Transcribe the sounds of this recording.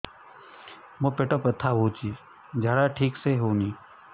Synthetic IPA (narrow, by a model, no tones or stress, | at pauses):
mopeːʈopət̪ʰːaːɦoːt͡ʃiːz | d͡ʒʱaːɽaʈʰiːkseɦoːniː